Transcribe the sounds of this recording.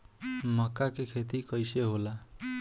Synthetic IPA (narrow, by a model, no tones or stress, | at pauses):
mʌkːakekʰet̪ikʌjseɦola